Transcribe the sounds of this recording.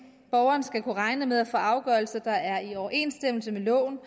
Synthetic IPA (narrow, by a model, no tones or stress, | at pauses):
b̥ɒʊɐːnsɡ̥ækʰuʁɑ̈ɪnəmeðˠæfɔʔɑ̈ʊɡ̥ɶɐl̩sɐd̥ɑ̈æɐiɒʊɐʔe̝̰nsd̥em̰l̩səmelɔ̰̽ːn